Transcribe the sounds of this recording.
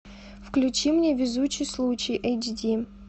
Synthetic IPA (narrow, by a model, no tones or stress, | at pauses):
fklʲut͡ɕimnʲevʲɪzut͡ɕːɪjslˠut͡ɕɪjʔejd͡ʑdʲi